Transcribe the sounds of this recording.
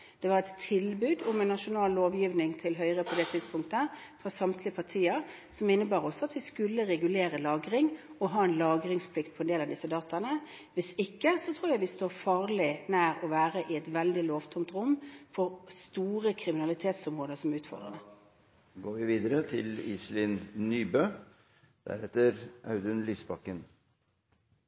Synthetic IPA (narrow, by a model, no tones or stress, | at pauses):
d̪̥ɛʋɑɾɛt̪ʰːɪlbʉːd̪ʊmɛnːɑʂʊnɑːlloːʋjiːʋnɪŋt̪ʰɪlɦœʏʁəpʰɔd̪ɛt̪ʰɪt̪spʰʊŋk̚t̪ə | fʁɑsɑmt̪ʰlɪəpʰɑʁt̪ʰiːə | sɔmɪnːəbæːɾɔsːɔɑt̪ʋɪskʉlːəɾɛɡʉleːɾəlɑːɡɾɪŋɔɦɑːɛnlɑːɡɾɪŋspʰlɪkt̪pʰɔɛnd̪eːlɑʋd̪ɪsəd̪ɑːt̪ənə | ʋɪsɪkːəsɔt̪ʰɾuːɾjæɪʋɪst̪oːɾfɑːʁlɪnæːɾɔʋæːɾəʔɪɛt̪ʋɛld̪ɪloːʋt̪ʰɔmt̪ʁʊmfɔʁst̪uːɾəkʰɾɪmɪnɑlɪt̪ʰeːt̪sʊmʁoːd̪əsɔmʉːt̪fɔ̰ʁd̪ʁ̰ə | ɡoːɾʋɪʋiːd̪əɾət̪ʰɪ̰liːslɪnnyːbøː | d̪̥æ̰ɾɛt̪əɾʔɑ̰ʉd̪ʉnliːsbɑkːən